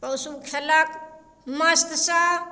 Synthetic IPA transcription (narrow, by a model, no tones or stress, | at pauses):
pəwsukʰelak | mast̪sa